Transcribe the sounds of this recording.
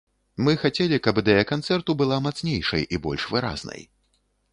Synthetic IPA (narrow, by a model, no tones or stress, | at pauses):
mɨxat͡sʲɛlʲikɐbd̪ɛjakant̪sɛrt̪ubɨlˠamat̪snʲejʂɐ̰jibɔlʲʂvɨɾa̰znɐ̰j